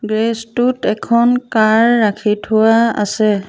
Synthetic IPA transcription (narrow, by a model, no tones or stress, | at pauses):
ɡɹestʊtɛkʰɔnkaɹːakʰitʰʊwaa̰sɛ